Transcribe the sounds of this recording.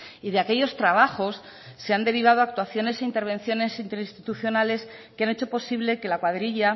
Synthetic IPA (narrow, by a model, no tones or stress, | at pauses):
iðeake̞ʝo̞st̪ɾaβ̞axo̞sː | e̞and̪e̞ɾiβ̞að̞oak̚t̪waθjo̞ne̞se̞int̪e̞ɾβ̞e̞nθjo̞ne̞sint̪e̞ɾĩnst̪it̪uθjo̞nale̞skeane̞t͡ʃo̞po̞siβ̞le̞ke̞lakwaðɾiʎa